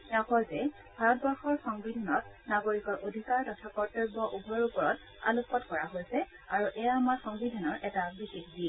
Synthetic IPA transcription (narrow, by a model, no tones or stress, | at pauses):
ɛakɔlzɛ | bʱaɹɔtbɔɹxɔɹxɔŋbidʱanɔt̚ | naɡoɹikɔɹʔodʱikaɹtɔtʰapɔɹteɹbɔʔubʱɔɹupɔɹɔt̚ | a̰lupɔtkɔɹaɦojsɛ | aɹuʔɛjaːmaɹxɔŋbidʱanɔɹʔɛtabixekdiɛ